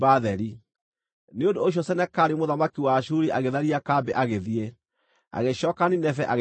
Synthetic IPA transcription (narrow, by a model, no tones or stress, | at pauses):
baðɛɾi | neondoːɕ̬ɔsɛnɛkaɾimoðamakiwaɕuɾiʔaɣeðaɾiakabɛʔaɣeðie | a̰ɣeɕɔːkaninɛfɛʔaɣ